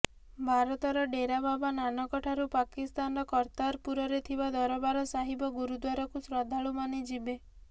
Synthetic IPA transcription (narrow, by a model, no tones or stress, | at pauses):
bʱaɾɔt̪ɔɾɔɖeɾababananɔkɔʈʰaɾupakist̪anɔɾɔkɔɾt̪aɾpuɾɔɾet̪ʰibad̪ɔɾɔbaɾɔsaɦibɔɡuɾud̪waɾɔkusɾɔd̪ʱaɭumaned͡ʒibe